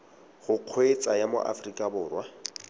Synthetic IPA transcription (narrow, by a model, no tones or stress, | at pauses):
χʊq͡χʰwet͡sʼajamo̰ʔa̰frikʼabʊːrwa